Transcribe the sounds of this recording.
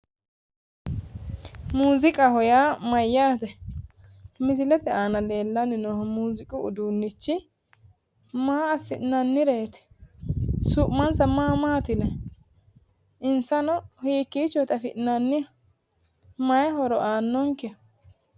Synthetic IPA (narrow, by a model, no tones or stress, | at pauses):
muːzɪkʼɐhɔjaːmɐjːaːt̪ɛ | mɪs̬ɪlɛt̪ɛaːnɐle̞ːlːɐnɪnɔmuːzɪkʼʊʊ̰d̪uːnːɪt͡ʃːɪ | maːɐsɪʔnɐnːɪɾe̞ːt̪ɛ̥ | sʊʔmɐnsɐmaːmaːt̪ɪnɛ | ʔɪnsɐnɔhiːkːiːt͡ʃːɔt̪ɐfɪʔnɐnːɪ | mɐjɛɦɔɾɔʔaːnːɔŋkɛ